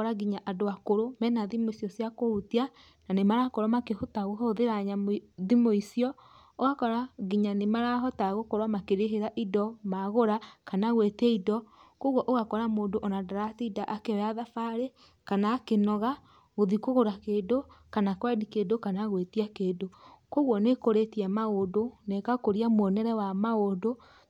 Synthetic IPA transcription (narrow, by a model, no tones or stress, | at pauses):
ɔɾaɡiɲaʔadoakoɾomɛnaðimoisjɔsjakoutia | nanemaɾakoɾwamakehotaɣoɦoðeɾaɲaðimoisiɔ | oɣakɔɾaɡiɲanemaɾaɦɔtaɣokɔɾwamakeɾeɦeɾaʔidɔmaɣoɾakanaɣwetɛidɔkoɣwɔʔoɣakɔɾamoːndoʔonadaɾatiidaʔakeɔjaðafaɾe | kanaːkenɔɣa | ɣoðikoɣoɾakeːdokanakwɛdikedokanaɣwetiakeːdokoɣwɔnekoɾetiɛmaodonekakoɾiamwɔnɛɾɛwamaodo